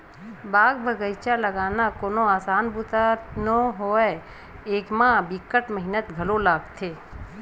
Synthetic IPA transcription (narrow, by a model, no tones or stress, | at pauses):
baːɡbʱəɡəjt͡ʃaləɡaːnakoːnoaːsaːnbut̪anõɦoːɛ | eːkmãbɪkːəʈməɦɪnət̪ɡʱɐlolaːɡt̪ʰeː